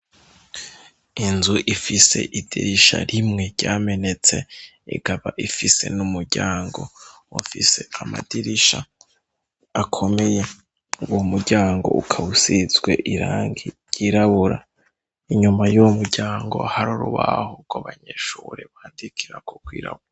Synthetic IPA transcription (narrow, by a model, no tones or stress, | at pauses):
inzuʔifise̞̰ʔid̥iɾiʃa̰ɾimŋe̞ɾɟaːme̞ne̞t͡se̞ḭɡaβaʔifise̞̰numuɾɟaːŋɡo̞̰wafiseama̰diɾiʃa̰ | kʰo̞me̞je̞ | womuɾɟaːŋɡo̞̰ʔukʰausizɡwe̞ʔiɾaːŋɡi | jiːɾaβuɾa | iɲumajuwmuɾɟaːŋɡo̞̰haɾuɾuβa̰hoɡwaβaɲeʃuːɾeβaːndikʰiɾakʰokwḭːɾa̰βuɾa